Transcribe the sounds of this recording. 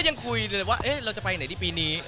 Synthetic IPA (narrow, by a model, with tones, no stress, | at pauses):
ja˧ŋkʰu˧jwaː˥˩ʔe˦˥ɾa˧wt͡ɕa˨˩pa˧jna˦t̪ʰiː˥˩piː˧niː˦˥